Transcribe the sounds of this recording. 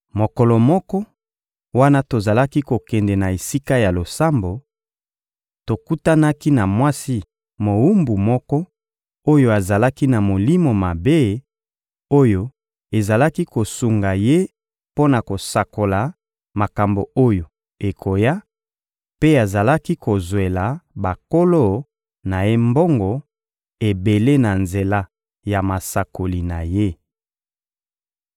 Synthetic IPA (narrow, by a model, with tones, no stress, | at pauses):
mo˨kɔ˨lɔ˨mɔ˦kɔ˦ | wa˦na˦to˨za˨la˦ki˦ko˨kɛ˨ndɛ˨na˨e˨si˦ka˦ja˨lo˨sa˦mbo˨ | to˨ku˦ta˦na˦ki˦na˨mwa˦si˦ | mo˨u˦mbu˨mɔ˦kɔ˦ | o˦jo˦a˨za˨la˦ki˦na˨mo˨li˦mo˨ma˨be˦ | o˦jo˦ | e˨za˨la˦ki˦ko˨su˨ŋɡa˨je˦ | po˦na˨ko˨sa˨ko˨la˨ | ma˨ka˨mbo˨o˦jo˨ | e˨kʰo˨ja˦ | pe˦a˨za˨la˦ki˦ko˨zwe˨la˨ba˨ko˦lo˦ | na˨je˦mbo˦ŋɡɔ˨ | e˨be˨le˦na˨nze˨la˦ | ja˨ma˨sa˨ko˨li˨na˨je˦